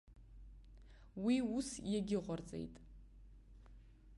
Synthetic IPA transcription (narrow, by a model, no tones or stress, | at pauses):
wiusjaɡʲɪʁʷart͡sʼḛjtʼ